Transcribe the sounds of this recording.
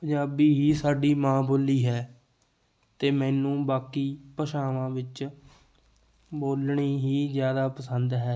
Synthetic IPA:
pəɲaːbiːɦiːsaːɖiːmãːboːliːɦɛː | t̪eːmɛ̃ːnũːbaːkiːpəʃaːʋãːʋɪt͡ʃ | boːlɳiːɦiːzjaːd̪aːpəsənd̪ɦɛː

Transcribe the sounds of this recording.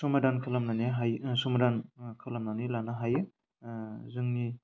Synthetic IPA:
sumadankʰɯlamnaniɦajsumadankʰɯlamnanilanaɦajɯ | zɯŋni

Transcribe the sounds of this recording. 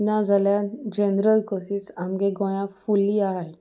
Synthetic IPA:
nãd͡zʱaljad͡ʑenɾəlkosisamɡeɡɔ̃jãfuliaɦe

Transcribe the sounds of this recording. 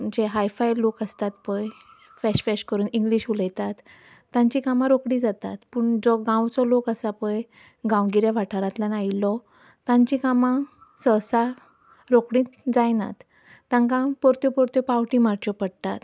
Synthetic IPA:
d͡ʑeɦajfajlokəst̪at̪pəj | fɛɕfɛɕkəɾuːniŋɡliɕuləjt̪at̪ː | ãɲt͡ɕikamãɾokɽĩːd͡zat̪at̪puːɳd͡zɔɡãwt͡sɔlokəsapəj | ɡãwɡiɾjaʋaʈʰaɾãt̪lanailɔ | t̪ãɲt͡ɕikamã | səsa | ɾokɽĩd͡zajna̰t̪ː | ãŋkãpɔɾt̪jɔpɔɾt̪jɔpawʈĩmaɾt͡ɕɔpəɽt̪at̪

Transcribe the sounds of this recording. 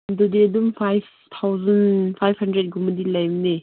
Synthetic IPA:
ndɔdiɐdumpʰajv | t̪ʰawzɐnpʰajphɐndɾet̚ɡumɐdilajmne

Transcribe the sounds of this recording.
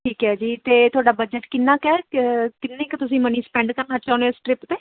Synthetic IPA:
ʈʰiːkɦɛːd͡ʒiːt̪eːt̪ʰʊaːɖaːbəd͡ʒəʈkɪnːãːkɛːkɪnːẽːkt̪ʊsĩːmənĩːspɛ̃ːɳɖkəɾnaːt͡ʃãːnẽːsʈɾɪpt̪eː

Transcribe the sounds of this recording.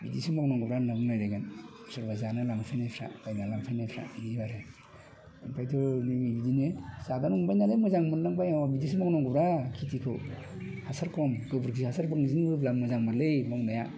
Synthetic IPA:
bidisimaknɔŋɡɯbɾanabɯŋlajɾaɡan | sɯɾbazanɯlaŋpʰajnajpʰɾa̰b̥ajnalaŋpʰajnajpʰɾa̰inibaɾe | anpʰajtʰɔnimibidinesadanuŋbajnalejmɯzaŋmɯnnaŋbajawabidis̬imɔknɔŋɡɯbɾakʰitikʰɯ̰ | hasaɾkʰɔmɡɯbuɾkʰihasaɾbaŋzinbɯblamɯzaŋmaɾlejmɔŋnaja

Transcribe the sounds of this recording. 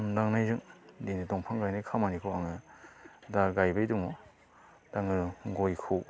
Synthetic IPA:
ndaŋnajzɯŋdenɯdɔŋpʰaŋɡajnajkʰamanikʰowaŋɯ | daɡajbajduŋɔ | daŋɯɡojkʰɯw

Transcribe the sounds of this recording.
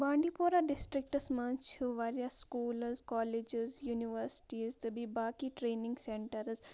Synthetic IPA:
bãːɳɖipoːɾaɖɪsʈɾɪk̚ʈəsmãnt͡ʃt͡ʃuʋaːɾjasːkuːlzkɔːled͡ʒɪzjuːniʋəɾsɪ̥ʈiːzt̪əbibaːkiʈɾeːnɪ̃ŋɡsẽɳʈəɾz

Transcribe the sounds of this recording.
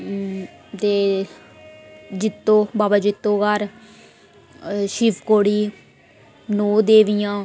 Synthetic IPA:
t̪eː | d͡ʒɪt̪ːõːbaːbad͡ʒɪt̪ːõːɡəɾ | ʃiːpʰkoːɽiː | noːd̪eːʋijãː

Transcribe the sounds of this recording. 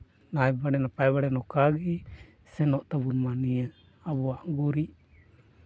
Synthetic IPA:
najbaɽɛnapaɛbaɽɛnɔkaɡi | sɛnɔʔt̪abunmaniɛ | abɔaʔɡuɾi

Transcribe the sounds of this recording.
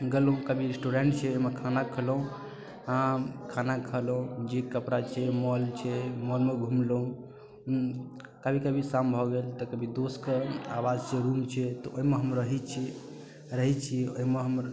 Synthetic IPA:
ɡəloũkəbʱiɾesʈuɾeɳʈt͡ʃʰɛoimekʰanakʰəlũ | ɦãkʰanakʰəlũd͡ʒekəpɾat͡ʃʰɛmɔlt͡ʃʰɛmɔlmeɡʱumloũ | kəbʱikəbʱisambʱɔɡelt̪ɔkəbʱid̪oskeawad͡ʒt͡ʃeɾumt͡ʃʰɛt̪ɔʔoɦimeɦəmɾəɦit͡ʃʰi | ɾəɦit͡ʃʰioɦimeɦəmɾ

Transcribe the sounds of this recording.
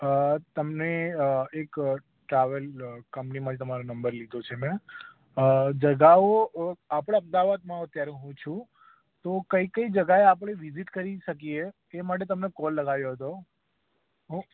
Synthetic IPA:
ət̪əmneek | ʈɾaʋəlkəmpnimãd͡ʒt̪əmaɾonəmbəɾlid̪ot͡ʃʰemɛ̃ | d͡ʒəɡaoapɽ̃aəmd̪aʋad̪mãət̪jaɾũɦũt͡ʃʰũ | t̪okəikəid͡ʒəɡaeap̬ɽ̃eʋiziʈkəɾiʃəkie | emaʈ̬et̪əmnekɔlːəɡaʋjoɦət̪o | ɦũ

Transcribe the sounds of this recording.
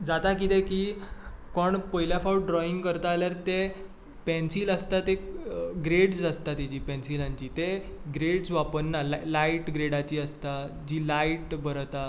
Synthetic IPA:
d͡zat̪akit̪ẽkiːkɔɳpəjljafauʈ̚ɖɾɔiŋɡkəɾt̪aːljaɾt̪e | pɛ̃nsiːləst̪at̪eɡɾeɽsəst̪at̪id͡ʑiːpɛ̃nsilãɲt͡ɕiːt̪eɡɾeɽsʋapəɳːalalajiʈɡɾeɽat͡ɕiːəst̪a | d͡ʑiːlajʈbəɾt̪a

